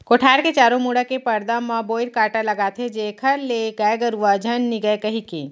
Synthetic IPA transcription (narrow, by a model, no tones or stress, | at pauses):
koʈʰaɾket͡ʃaɾomuɽəkepəɾd̪əməbojɾkaʈaləɡat̪ʰed͡ʒekʰəɾleɡəjɡəɾuʋəd͡ʒʱənːiɡəekəɦike